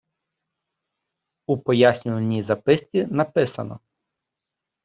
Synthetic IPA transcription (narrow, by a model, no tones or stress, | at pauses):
upɔjasʲnʲʊʋɐnʲizɐpɪst͡sʲinɐpɪsɐnɔ̰